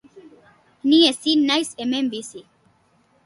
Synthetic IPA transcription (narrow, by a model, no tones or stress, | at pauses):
niesinnːajsemembisi